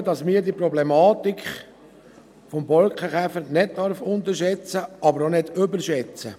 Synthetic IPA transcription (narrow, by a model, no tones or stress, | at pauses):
dɑsmiːɾdiəprɔblɛmɑːtikχ | fɔmbɔlkχəχæfəɾnɪd̚tɑɾfʊnt̪əɾʃɛt͡səʔɑbəɾonɪdʏbəɾʃɛt͡sə